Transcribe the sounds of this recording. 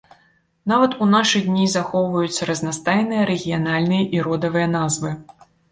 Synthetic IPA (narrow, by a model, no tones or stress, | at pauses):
navɐt̪unaʂɨd̪ʲnʲizaxɔwvɐjut̪sʲːɐɾɐznast̪ajnɨjɐɾɛɣʲijanalʲnɨjɐʔiɾɔd̪ɐvɨjɐnazvɨ